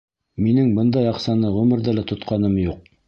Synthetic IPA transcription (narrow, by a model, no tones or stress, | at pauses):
minɘŋbɤnd̪ɑjɑqsɑnɤʁɵmɘ̆ɾðælæt̪ŏt̪qɑnɤmjuq̚